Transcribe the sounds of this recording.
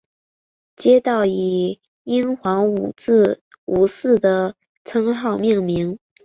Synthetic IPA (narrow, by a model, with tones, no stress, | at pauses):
t͡ɕjɛ˥t̪ɑ˥˩ʊi˨˩ | i˥ŋxwɑ˧˥ŋu˨˩t͡sɹ̩˥˩ | u˧˩sɹ̩˥˩d̪ə˩ | t͡sʰɤ˥ŋxɑ˥˧ʊmjɛ˥˩ŋmi˧˥ŋ